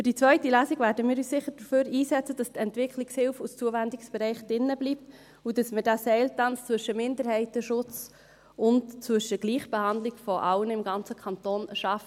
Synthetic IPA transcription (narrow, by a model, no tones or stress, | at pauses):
fʏɾd̥it͡sʋœʏtilæːsiɡvæːɾdəmɪːɾyːsɪχəd̥əføːɾiːsɛt͡səd̥ɑst̪ɛntʋɪkʰlɪkshɪlfust͡suəvændɪksb̥ɛɾɛɪχd̥ɪnːəblip̚t | udɑsmədæsɛɪltɑnst͡svʏʃəmɪndəɾhɛɪtəʃʊt͡s | ʊntt͡svʏʃəɡ̥liːχb̥ɛhɑnd̪lɪɡfɔʔɑlənɪmɡɑnt͡səkʰɑnt̪oːnʃɑfə